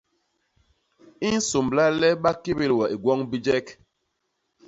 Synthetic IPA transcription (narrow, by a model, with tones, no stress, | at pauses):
i˦n̩˦so˨mbla˦lɛ˦ɓa˦ke˦be˦lwɔ˨ʔi˨ɡwɔ˦ŋbi˦d͡ʒɛ˦k